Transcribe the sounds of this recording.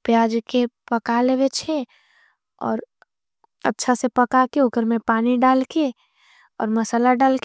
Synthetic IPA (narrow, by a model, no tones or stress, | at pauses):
pjaːd͡ʒkepəkaleːʋet͡ʃʰe | ɔ̰ːɾ | ə̰tːʃʰasepəkakeʊkəɾmẽpaːniɖaːlke | ɔ̰ːɾməsalaɖaːlke